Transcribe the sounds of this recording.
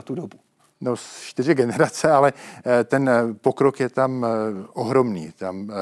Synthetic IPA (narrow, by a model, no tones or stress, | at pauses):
t̪udobu | nost͡ʃt̪ɪr̝ɪɡɛnɛɾat͡sɛalɛt̪ɛnpo̞kɾokjɛt̪amʔoɦɾo̞mnḭːt̪am